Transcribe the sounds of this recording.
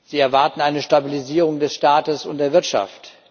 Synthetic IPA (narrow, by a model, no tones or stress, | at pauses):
z̥iːɛɐvaɐtn̩aɪnəʃtabiliziːʁ̞ʊŋdɛsʃtaːtəsʊ̰nt̚d̥eːɐvɪɐtʃa̰ft